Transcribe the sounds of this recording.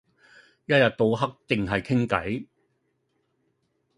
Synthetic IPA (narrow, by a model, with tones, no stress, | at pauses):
jɐ˥t̚jɐ˨t̚t̪o˨˧wɦɐ˥k̚t͡sɪ˨ŋɦɐ˨jkʰɪ˥ŋkɐ̰˨˥j